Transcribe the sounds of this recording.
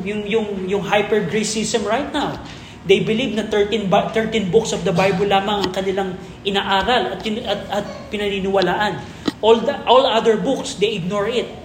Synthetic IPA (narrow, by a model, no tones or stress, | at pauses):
jʊŋjʊŋjʊŋɦajpɛɹɡɹijsisɛmɹajt̪̚naw | d̪ejbɪlivnɐt̪ɛɹt̪inbat̪ɛɹt̪ĩnbʊksɔvd̪ɐbajbolaːmɐŋɐŋkɐnɪlaŋ | ʔɪnaʔaːɾɐlɐt̪̚ɐt̪ɐt̪̚pɪnɐninɪwɐlaːʔɐn | ʔoldʔolad̪ɛɹbuksd̪ejʔɪɡ̚noɹʔɪt̪̚